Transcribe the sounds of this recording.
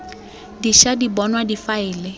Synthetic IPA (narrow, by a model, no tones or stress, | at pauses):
diʃadibɔnwadifaɪːlɪ